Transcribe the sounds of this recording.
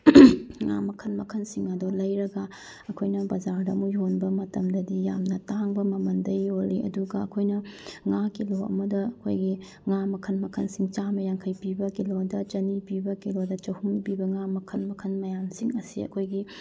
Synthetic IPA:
ŋa̰mɐkʰɐnmɐkʰɐnsiŋɐdolɐjɾɐɡa | ɐkʰojnɐbɐd͡ʒaɾdɐmujonbɐmɐtɐmdɐdijamnɐtaŋbɐmɐmɐndɐjoliɐ̰duɡɐɐkʰojnɐŋakiloɐ̰mɐdɐɐkʰojɡi | ŋamɐkʰɐnmɐkʰɐnsiŋt͡ʃamɐjaŋkʰɐjpibɐkilodɐt͡ʃɐnipibɐkilodɐt͡ʃɐhuŋpibɐŋamɐkʰɐnmɐkʰɐnmɐjamsiŋɐsḭɐ̰kʰojɡi

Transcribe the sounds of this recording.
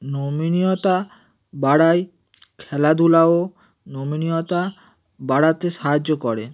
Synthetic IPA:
nominiot̪a | baɽaj | kʰɛlad̪ʱulao | nominijot̪a | baɽat̪eʃaɦad͡ʑːokɔɾe

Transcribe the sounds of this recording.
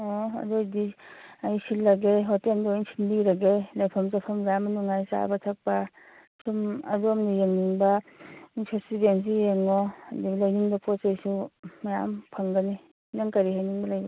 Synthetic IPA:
ɔɐ̰dujdiajsilːɐɡeɦɔtendɔinsʰindiɾɐɡelajpʰɐmsapʰɐmzamɐnuŋajsa̰batʰak̚pa | sumɐduɐmnijeŋniŋbɐinsʰesibens̬ijeŋɔdilajniŋbɐpɔsejsumɐja̰mpʰɐŋɡɐni | naŋkɐɾiɦajniŋbɐlajɡ

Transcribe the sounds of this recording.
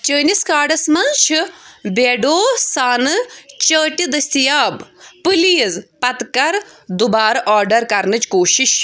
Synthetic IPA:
t͡ʃəːniskaːɖɐsmɐnʃʰibeːɖoːsaːnɨt͡ʃəːʈid̪ɐsʲt̪ijaːbpɨlijɐzpɐt̪kɐɾd̪ubaːɾɐʔaːɾɖɐɾkɐɾnɨt͡ʃkoːʃiʃ

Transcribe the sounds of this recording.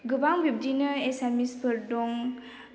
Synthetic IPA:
ɡɯbaŋbʱip̚dinɯesamispʰɯɾdɔŋ

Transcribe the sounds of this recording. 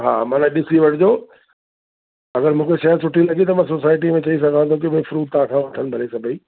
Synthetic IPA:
ɦaːmãːnãɗɪsiʋɐʈʰɪd͡ʑoː | ɐɡəɾmũːkʰeʃɐəsʊʈʰilɐɠit̪ɐmãs̬osaːɪʈ̬imẽt͡ɕɐis̬ɐɡʱãnt̪ʰõk̬ɪɓʊ̃fʊɾuːʈ̚t̪ãːkʰãːʋɐt̪ʰənɪ̆bʱɐɾesɐbʱiː

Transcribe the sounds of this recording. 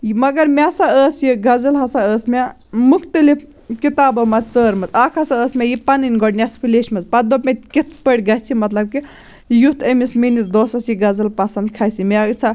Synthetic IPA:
jmɐɡɐɾmʲasaəːsjiɡɐd͡zɐlɦɐsaəːsma | mukʰt̪ɨli | kit̪aːbɐmat͡səːɾmɐt͡sakʰɐsaəːsmʲajipaninɡɔɽnʲaspʰileʃmɐt͡spɐd̪opmʲet̪ʲkit̪ʰpəɽʲɡɐt͡sʰimɐt̪lɐb̚ki | jut̪ʰemisminisd̪ɔːsɐsjiɡɐd͡zɨlpɐsɐnd̪̚kʰasʰimat͡sʰa

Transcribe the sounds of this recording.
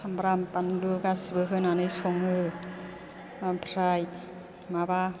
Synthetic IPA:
ambɾampanlukasbɯɦɯnanɯjsʰuŋɯ | pʰɾaj | maba

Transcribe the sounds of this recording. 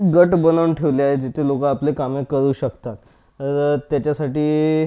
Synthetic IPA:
ɡəʈbənaʋɳʈʰeʋliaɦed͡ʑit̪ʰelokaːplekamekəɾuːɕəkt̪at̪ | əɾt̪ːjat͡ɕjasaʈiː

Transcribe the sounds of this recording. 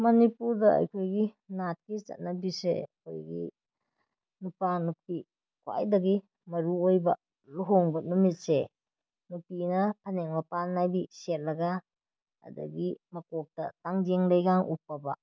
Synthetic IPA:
mɐnipuɾdɐɐ̰jkʰojɡi | nat̚kit͡ʃɐ̰t̚nɐbisḛɐ̰kʰo̰jɡḭ | nupanupi | kwa̰jdɐɡi | mɐɾuojbɐ | luɦoŋbɐnumit̚se | nupinɐpʰɐneŋmɐpalnajbiset̚lɐɡa | ɐ̰dɐ̰ɡimɐkok̚tɐ̰taŋd͡ʒeŋlɐjɡaŋʔṵpːɐbɐ̰

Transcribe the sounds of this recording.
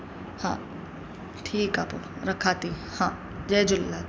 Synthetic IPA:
hãː | ʈʰiːkapṵ | ɾɐkʰaːt̪i | hãː | d͡ʒeːd͡ʒʊlːa

